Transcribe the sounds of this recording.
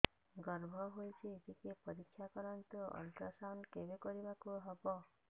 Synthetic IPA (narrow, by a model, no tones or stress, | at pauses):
ɡɔɾbʱɔɦojt͡ʃʰitikepɔɾikʰːjakɔɾɔnt̪uʔɔ̰lt̪ɾɔsawnkebekɔɾibakuɦɔbɔ